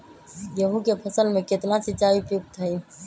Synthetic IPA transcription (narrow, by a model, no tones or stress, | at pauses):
jəɦũkepʰɐsəlmẽkɪt̪nat͡ʃɪt͡ʃaːʋipuk̚t̪ʰəi